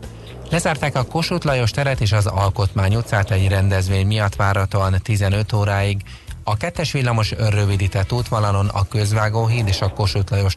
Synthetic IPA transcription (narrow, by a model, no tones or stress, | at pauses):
lɛzaːrt̪aːkɒko̞ʃuːt̪lɒjo̞ʃt̪ɛɾɛt̪eːʃɒzɒlko̞t̪maːɲut̪saːt̪ɛɟrɛnd̪ɛzʋeːɲmijɒt̪ːʋaːɾɒt̪oɒnt̪izɛnø̞t̪oːɾaːiɡ | ɒkɛt̪ːɛʃʋilːɒmo̞ʃørːø̞vid̪it̪ɛt̪ːuːt̪ʋɒlɒlo̞nɒ̰kø̞zʋaːɡoːɦiːd̪eːʃɒko̞ʃut̪lɒjo̞ʃ